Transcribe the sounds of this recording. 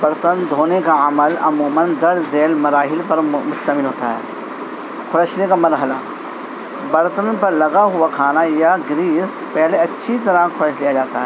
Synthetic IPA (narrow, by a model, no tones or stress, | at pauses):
bɐɾt̪ənd̪ʱoːnekaɐməlɐmuːmənd̪ɐɽzeːlmɐɾaːɦɪlpɐɾmʊʃt̪əmɪlɦoːt̪aɦɛː | kʰʊɾəʃnekamɐɾɦəla | bɐɾt̪ənpɐɾlɐɡaɦʊakʰaːnajaɡɾiːs | pɛɦleɐtːʃʰit̪ɐɾakʰʊɾəʃlijad͡ʒaːt̪aɦɛː